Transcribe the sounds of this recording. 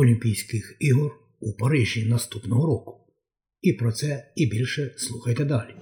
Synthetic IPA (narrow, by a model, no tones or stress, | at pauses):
ɔlʲimʲpʲijsʲkɪxiɦɔr | upɐɾɪʒʲinɐst̪upnɔɦɔɾɔkʊ̥ | ipɾɔt̪sɛibʲilʲʃɛslˠuxɐjt̪ɛd̪ɑlʲi